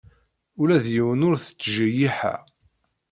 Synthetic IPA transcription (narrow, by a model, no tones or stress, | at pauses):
ulæðjiwənʊɾθə̥t͡sːʒæjiħæ̰